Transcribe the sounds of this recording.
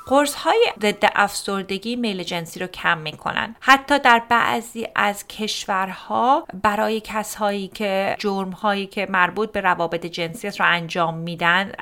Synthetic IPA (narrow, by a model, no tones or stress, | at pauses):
ɢ̥oɾshɒːjeze̞d̪ːeʔæfsoɾd̪e̞ɡiːme̞jled͡ʒe̞nsiːɾocʰæmːiːkʰo̞̰næ̰nd̪̥hæt̪ʰːɒːd̪æɾbæ̰ʔziːʔæzcʰe̞ʃvæɾhɒːbæɾɒːje̞cʰæshɒːiːcʰe̞d͡ʒoɾmhɒːjiːkʰe̞mæɾbuːt̪̚be̞ɾævɒːbe̞t̪ʰed͡ʒe̞nsijæt̪ʰɾoænd͡ʒɒːmːiːd̪ænd̪